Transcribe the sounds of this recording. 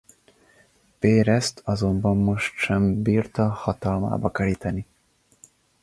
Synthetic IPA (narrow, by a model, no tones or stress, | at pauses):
peːɾɛst̪ʰɒzo̞mbɒmːo̞ʃt̪ʃɛmbiːrt̪ɒhɒt̪ɒlma̰ːbɒkɛlit̪ɛni